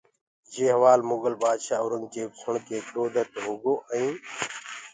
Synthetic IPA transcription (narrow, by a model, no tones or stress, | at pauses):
d͡ʒeːɦəʋaːlmʊɡəlbaːd̪ʃaːʊɾəŋɡt͡ʃeːbsʰʊɳkeːkɗoːd̪ʱət̪ɦoːɡoːʔəĩː